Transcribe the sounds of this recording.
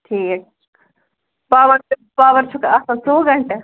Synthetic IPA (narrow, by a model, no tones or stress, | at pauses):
ʈʰiːk̚ | paːʋɐɾpaːʋəɾt͡ʃʰukaːsãsoːɡɐɳʈɐ